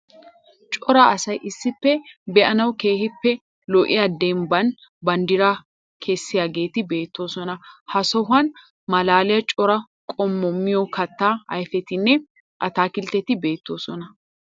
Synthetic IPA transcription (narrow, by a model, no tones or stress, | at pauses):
t͡ʃʼɔɾɐɐsɐjʔɪsːɪpːɛbɛʔɐnɐwke̞ːhɪpːɛ | lɔʔɪ̰jaːd̪ɛmbɐn | bɐnd̪ɪɾa | kʰɛsːɪjaːɡe̞ːt̪ɪbe̞ːt̪ːo̞ːsɔnɐhɐsɔɦɐn | mɐlaːlɪjɐt͡ʃʼɔɾɐ | kʼɔmːɔmːɪjɔkɐt̪ːaːɐ̰jfɛt̪ɪnːɛ | ʔɐt̪aːkɪlt̪ːɛt̪ɪbe̞ːt̪ːo̞ːsɔnɐ